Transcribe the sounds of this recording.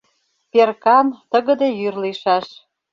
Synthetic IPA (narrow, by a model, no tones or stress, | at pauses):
perkɑnt̪ə̆ɣə̆d̪ejyrliʃɑʃ